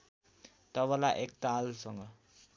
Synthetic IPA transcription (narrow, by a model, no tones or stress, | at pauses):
t̪ʌbʌlaʔek̚t̪alsʌŋɡʌ